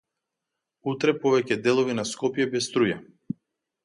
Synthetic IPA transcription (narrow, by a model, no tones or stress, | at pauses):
ut̪ɾɛpɔvɛcɛd̪ɛlˠɔvinaskɔpjɛbɛst̪ɾuja